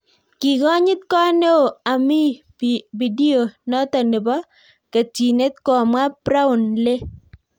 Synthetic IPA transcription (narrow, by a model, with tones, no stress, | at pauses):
ki˨ɡɔ˦ɲɪ˦t̪̚kɔ˦ne˦o˨a˨mi˦ | bi˨di˦o˨nɔ˦tɔ˨nɪ˨bɔ˦ | ke˨ti˨ne˦t̪̚kɔ˨mwa˦pɾa˦ʊ˨nle˦